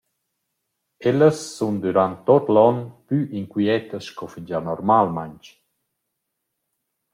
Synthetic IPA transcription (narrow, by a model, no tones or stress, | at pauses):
ɛləsːund̪uɾant̪ːɔt̪lɔnpyʔiŋkwiɛt̪əsʃkɔfind͡ʒanɔɾmalmaɲt͡ʃ